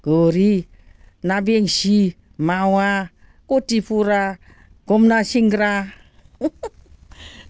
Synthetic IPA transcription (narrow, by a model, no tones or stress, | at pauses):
ɡ̥oɾi | nabieŋsi | mawa | kotipuɾa | ɡɔmnasiŋɡɾa